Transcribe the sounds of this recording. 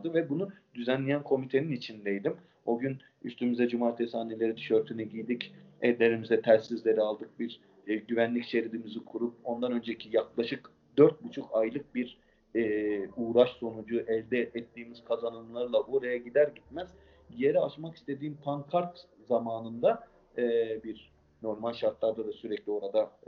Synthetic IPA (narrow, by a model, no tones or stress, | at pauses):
d̪ɯvɛbunud̪yzænlʲijænkʰo̞mit̪ʰe̞ninit͡ʃʰind̪ejd̪im | o̞ɟyn | yst̪ʰymyzɛd͡ʒumaːɾt̪ʰesaːnelʲe̞ɾid̪yʃø̞ɾt̪ʰynɛɟijd̪icɛllʲe̞ɾimizɛt̪ʰæɾsːizlʲe̞ɾialˠd̪ɯk̚biɾ | ɟyvænlʲicʃe̞ɾilimizikʰuɾup̚o̞nd̪anø̞nd͡ʒecʰijaklˠaʃɯk | d̪øɾt̪̚but͡ʃʰukʰajlˠɯk̚biɾ | ɛːuːɾaʃso̞nud͡ʒuʔɛlʲd̪ɛʔɛt̪ːiːmiz̥kʰazanɯmlˠaɾɯlˠaʔo̞ɾajaɟid̪æɾɟit̪̚mæz̥ | je̞ɾɛaʃmaki̥st̪ʰe̞d̪iːmpʰaŋkʰaɾt̪ | zamaːnɯnd̪a | ɯːbiɾ | no̞ɾmalʲʃaɾt̪lˠaɾd̪ad̪asyɾɛclʲio̞ɾad̪a